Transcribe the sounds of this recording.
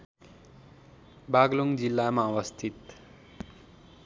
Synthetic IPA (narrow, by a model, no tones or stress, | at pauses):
baɡloŋd͡zilːamaʌwʌst̪ʰit̪